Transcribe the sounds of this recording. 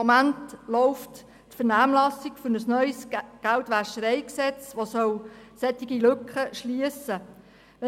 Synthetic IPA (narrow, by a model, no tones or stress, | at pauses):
mæntlɔʊft | tfərnæːmlɑsikfʏnəsnœʏsɡ̥æltʋæʃəɾɛɪksɛt͡sʋosœwsɛt̪ːɪɡilɵkχəʃliəsə | ʋɛ